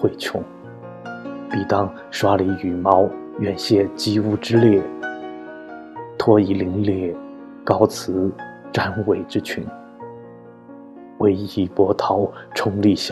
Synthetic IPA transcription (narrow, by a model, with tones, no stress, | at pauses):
we˥˩ɪt͡ɕʰjʊ̰˧˥ŋ | pi˨˩t̪ɑ˥˩ŋ | ʂwa˥li˧˥y˨˩mɑ˧˥ʊɥɛ˨˩nɕjɛ˥˩t͡ɕi˥u˥˩ʈ͡ʂɻ̩˥ljɛ˥˩ | t̪ʰwɔ˥i˧˥li˧˥ŋljɛ˥˩ | kɑ˥ʊt͡sʰɹ̩˧˥ʈ͡ʂa˥nwe˨˩ɪʈ͡ʂɻ̩˥t͡ɕʰy̰˧˥n | we˧˥ɪi˧˥pwɔ˧˥t̪ʰɑ˧˥ʊʈ͡ʂʰʊ˧˥ŋli˥˩ɕ